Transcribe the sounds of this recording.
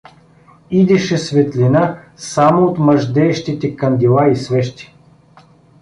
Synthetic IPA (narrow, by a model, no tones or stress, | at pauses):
id̪ɛʃɛsvɛt̪lʲina | samoot̪məʒd̪ɛːʃt̪it̪ɛkɐnd̪ilˠaisvɛʃt̪i̥